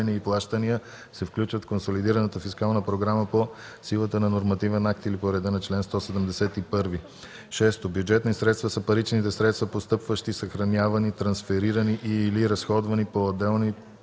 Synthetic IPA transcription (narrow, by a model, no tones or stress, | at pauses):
ɛniəiplˠaʃt̪ənijə | sɛfklʲut͡ʃvət̪fkonsolid̪iɾənət̪əfiskalˠnəpɾoɡɾaməpo | silˠət̪ənɐnoɾmɐt̪ivɛnak̚t̪ilipoɾɛd̪ənɐt͡ʃlɛnst̪ɔsɛd̪əmd̪ɛsɛt̪ipɤɾvi | ʃɛst̪objud͡ʒɛt̪nisɾɛt̪st̪vəsəpɐɾit͡ʃnit̪ɛsɾɛt̪st̪vəpost̪ɤpvəʃt̪isəxɾɐnʲavənit̪ɾɐnsfɛɾiɾəniʔiːliɾɐsxɔd̪vɐnipoːd̪ɛlˠni